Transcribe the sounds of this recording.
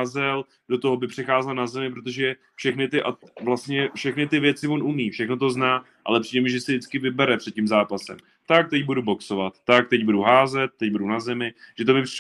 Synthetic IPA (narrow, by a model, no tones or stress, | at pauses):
zɛl | d̥o̞t̪oɦobɪpr̝̥ɛxaːzɛlnazɛmɪp̬ɾot̪̬oʒɛ | fʃɛxnɪt̪ɪʔavlast̪ɲɛfʃɛxnɪt̪ɪvjɛt͡sɪvo̞nʔumiːfʃɛxno̞t̪o̞znaː | ʔa̰lɛpr̥iːdɛmɪʒɛsɪdɪt͡skɪvɪbɛɾɛpr̥ɛt̪̚cimzaːpasɛ̰m | t̪ak̚t̪ɛcbudubo̞kso̞vat̪ːak̚t̪ɛcbuduɦaːzɛt̪̚ːɛc̚budunazɛmɪʒ̥ɛt̪obɪp